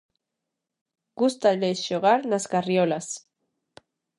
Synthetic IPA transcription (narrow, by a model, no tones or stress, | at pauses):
ɡ̥ust̪alesʃoɣaɾnaskariolas